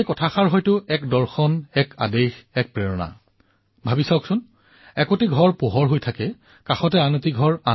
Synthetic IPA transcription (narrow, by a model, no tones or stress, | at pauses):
ejkɔtʰaxaɹɦɔjtʊɛkdɔɹxɔnɛka̰dexɛk̚pɹeɹɔna̰ | bʱabisawksʊn | ɛkotiɡʱɔɹpoɦɔɹɦojtʰakɛ | kaxɔtɛanotiɡʱɔɹa